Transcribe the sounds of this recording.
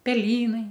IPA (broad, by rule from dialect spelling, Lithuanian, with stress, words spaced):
pʲɛˈlʲiːnɐɪ